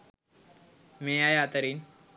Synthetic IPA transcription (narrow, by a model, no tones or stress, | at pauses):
mejajat̪əɾiːn